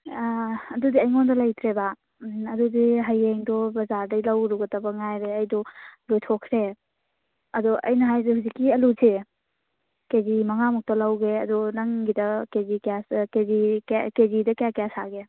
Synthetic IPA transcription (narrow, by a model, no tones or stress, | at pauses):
ɐdudiɐjŋɔndɐlɐjtʰɾeba | ɐdudiɦɐjeŋdɔbɐzaɾdɐjlɐwɾuɡɐtabɐŋajɾeɐjdɔlojtʰɔkʰɾe | ɐdɔʔɐ̰jnɐɦajzehuzikːiɐlusʰe | kezimɐŋamɔk̚tɐlɐwɡeɐdɔnɐŋɡidɐkezikaskezikkezidɐkeakejasa̰ɡe